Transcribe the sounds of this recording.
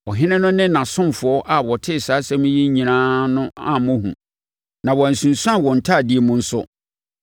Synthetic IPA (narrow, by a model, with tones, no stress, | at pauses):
ɔ˨ɦɪ̃˦nɪ̃˦nʊ̃˦nɪ̃˦nã˨sʊ̃˦mfʊ˨ɔ˦ʔa˨wɔ˨tʰɪ˦˨saː˨˦sɛ˦mʊ̃˦ji˦ɲĩ˨nãː˦nʊ̃˦a̰˨mʊ̃˦ɦṵ̃˨ | nã˨wɔ˨æ˨n̩˨sũ˨nsã˦˨wɔ̃˨n̩˨tʰa˦˨di˨˦e˨mʊ̃˦n̩˦sʊ̰˦